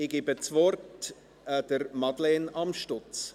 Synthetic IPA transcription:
ɪɡɪbət͡svɔrt | d̥əɾmɑdlɛnɑmʃtʊt͡s

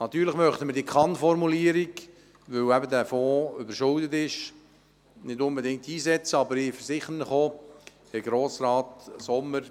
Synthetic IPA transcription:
nɑt̪ːyːɾləχmœχt̪əməɾd̥iːəkʰɑnfɔrmuliəɾik | ʋɵwæbədæːfɔːʏbəɾʃʊldətɪʃ | nɪdʊnbɛdɪŋk̚tiːzɛt͡səɑbəɾɪfəɾsɪχənəχoː | ɪɡɾoːsrɑːtsɔmːəɾ

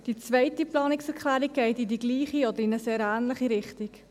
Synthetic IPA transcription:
d̥it͡svɛɪtiplɑːnɪksɛɾkʰχlæːɾikʰːɛɪtidiɡliːχiɔdəɾɪnəseːɾæːnləχiɾɪχtik

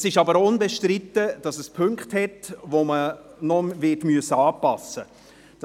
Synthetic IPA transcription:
sɪʃɑbəɾʊnbɛʃtɾɪtːəd̥ɑsɛspʰʏŋkχthɛtvomənɔvɪtmyəsəɑːpɑsə | d̥

